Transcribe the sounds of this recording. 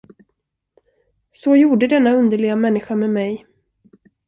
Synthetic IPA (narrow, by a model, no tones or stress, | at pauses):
sɔjuːɖəd̪ɛnːaɵnd̪əɭɪɡamɛnːɪɧameːmɛj